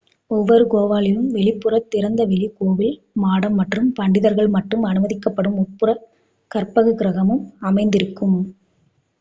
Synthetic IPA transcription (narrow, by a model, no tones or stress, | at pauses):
ɔʋːɔɾɯkoːʋaːlɪjɯmʋɛɭɪpːɯrɐt̪ːɪɾɐnd̪ɐʋɛɭɪkoːʋɪl | maːɽɐmːɐʈrɯmpɐɳɖɪðɐɾɣɐɭmɐʈrɯmɐnɯmɐðɪkːɐpːɐɽɯmɔpːɯɾɐ | kɐrpɐɣɯɡɪɾɐɣɐmɯmɐmɐɪnd̪ɪɾɯkːɯm